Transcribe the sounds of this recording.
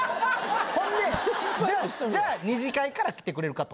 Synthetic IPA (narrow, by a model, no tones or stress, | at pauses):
hõ̞nd̪ed͡ʑaːd͡ʑaːɲ̟iʑikaikaɾakʲi̥t̪e̞kɯɾe̞ɾɯ̟kat̪o